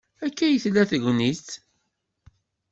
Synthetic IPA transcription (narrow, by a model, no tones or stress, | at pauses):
ækːæjəθlːæθəʝʷnit͡sː